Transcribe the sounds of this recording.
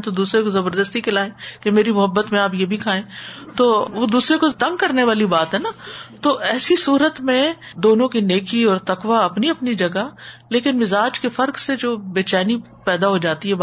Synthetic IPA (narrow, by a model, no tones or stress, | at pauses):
t̪od̪uːsɾekozɐbəɾd̪əst̪ikɪlaːẽːkemeːɾimʊɦəbːət̪mẽaːpjebʱikʰaːẽːt̪oːʋod̪uːsɾekot̪ɐ̃ŋɡ̚kɐɾneʋaːlibaːt̪ɦɛnat̪oʔɛːsisuːɾət̪mẽ | d̪oːnõkineːkiɔːɾt̪ɐkʋaɐpniɐpnid͡ʒɐɡaleːkɪnmɪzaːd͡ʒkefɐɾksed͡ʒoːbeːt͡ʃaːni | pɛːd̪aɦod͡ʒaːt̪iɦɛ